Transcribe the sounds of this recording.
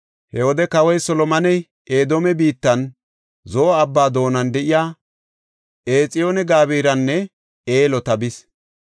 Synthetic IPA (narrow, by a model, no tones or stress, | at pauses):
hɛwɔd̪ɛkɐwɔjsɔlɔmɐnɛj | ʔeːd̪omɛbiːt̪ːɐn | zoːɐbːaːd̪o̞ːnɐnd̪ɛʔɪjaː | ʔeːt͡sʼɪjoːnɛɡaːbiːɾɐnːɛ | eːlɔt̪ɐbɪs